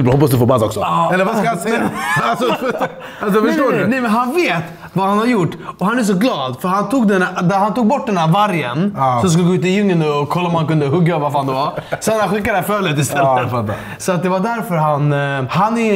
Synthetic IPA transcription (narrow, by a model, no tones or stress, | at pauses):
hɔpːas̬d̪ɵfoːbad̪ɔ̰ksɔɛlːəɾvaskkaasɛasɔ | asɔfœoːɖnɛmɛnɦanveːt̪ | vahanhaɾjʊʈːɔɦanæʂ̬ɔɡlɑːd̪fœɾhant̪ʰuːɡ̚d̪ɛnd̪æɾhant̪uːɡ̚bɔʈ̚ːd̪ɛndæɾvaɾjənɔmsk̬ɯləɡoʉːt̪̬ːɪljʏŋːənɔɔkʰːɔlːaɔmhankɵnd̪əɦɵɡːavaɾfaːnd̪ɛvaɾsɛnːhanɧɪkːad̪æfœːɭɪːt̪ːɪst̪ʰɛlːət̪ft̪ːa̰ | sɔat̪̚d̪ɛvaɖ̪æɾfœɾɦanhanæ